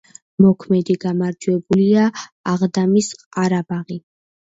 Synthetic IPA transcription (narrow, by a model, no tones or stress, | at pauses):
mɔkʰmɛd̪iɡamaɾd͡ʒwɛbuliaːʁd̪amisqʼaɾabaʁi